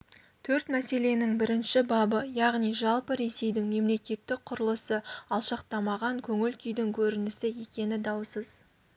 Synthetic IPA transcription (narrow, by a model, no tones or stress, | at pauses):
t̪ʰɵɾt̪mæse̞le̞nɪŋbɪɾɪnʃɪbɑbəjɑʁnijʒɑlˠpəɾe̞se̞jd̪ɪŋme̞mle̞kʲe̞t̪ːɪk̚qʰʊɾəlˠəsəɑlˠʃɑqt̪ɑmɑʁɑŋkʲʰɵŋɪlkʲʰʏjd̪ɪŋkʲʰɵɾɪnɪsɪje̞kʲe̞nɪd̪ɑwsəz̥